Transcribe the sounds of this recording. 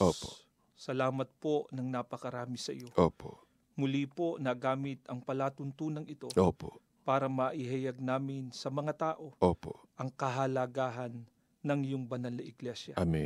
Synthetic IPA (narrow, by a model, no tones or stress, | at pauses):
ʔopo | sɐlaːmɐt̪̚po̞nɐŋnaːpɐkɐɾaːmɪsɐjo̞ʔoːpo̰ | mʊlipo̞nɐɡaːmɪt̪ɐŋpɐlaːt̪ʊnt̪uːnɐŋɪt̪o̞ʔoːpo | paːɾɐmɐʔɪɦɐjaɡ̚naːmɪnsɐmɐŋat̪aːʔo̞ʔoːpoʔʔɐŋkɐɦɐlɐɡaːɦɐnː | ɐŋjʊŋbɐnɐlnɐʔɪɡlɛʃjɐami